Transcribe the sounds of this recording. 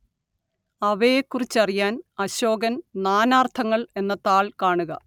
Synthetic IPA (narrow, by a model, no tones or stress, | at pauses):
ɐʋejekːurit͡ɕːɐrijaːnɐɕo̞ːɡɐnnaːnaːrt̪ʰɐŋːɐɭe̞nːɐt̪aːɭkaːɳuɣɐ